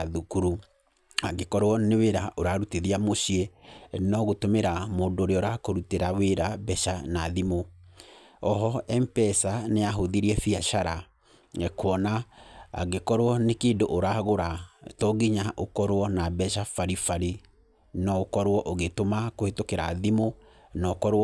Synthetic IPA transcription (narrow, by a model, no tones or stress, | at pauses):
ðukuɾu | aɡekɔɾoɔneweɾaʔoɾaɾuteðiamoɕiɛnɔɣotomeɾamoːndoːɾeɔoɾakoɾuteɾaweɾabɛʃanaðimo | ɔɦɔɛmpɛsaneaɦoðiɾiɛfiaʃaɾa | ɛkwɔna̰ː | ɡekɔɾwɔnekeːndoʔoɾaɣoɾatɔɡiɲaʔokɔɾwɔnabɛʃafaɾifaɾi | nɔokɔɾoɔʔoɣetomakoetokeɾa̰ðimo | nɔkɔɾ